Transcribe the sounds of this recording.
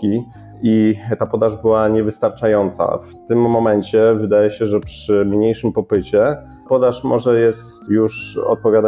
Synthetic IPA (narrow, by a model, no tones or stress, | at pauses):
kʲi | it̪apɔd̪aʐbɘwaɲɛvɘst̪aɾt͡ʂajɔnt̪sa̰ft̪ɘmːɔmɛɲt͡ɕɛvɘd̪ajɛɕɛʐɛpʂɘmɲejʂɘmpɔpɘt͡ɕɛ | pɔd̪aʂmɔʐɛjɛst̪juʂɔ̰t̪̚pɔvʲjad̪a